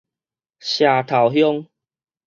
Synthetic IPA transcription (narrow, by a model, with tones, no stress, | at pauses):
ɕja˨t̪ʰa˨˩wɦjɔ˦ŋ